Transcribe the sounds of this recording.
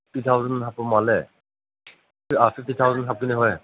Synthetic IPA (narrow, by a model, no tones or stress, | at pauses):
ʈit̪ʰawzɔnsapɔmalɛ | asʰiʈit̪ʰawzɔnʰap̚kiniɦɔj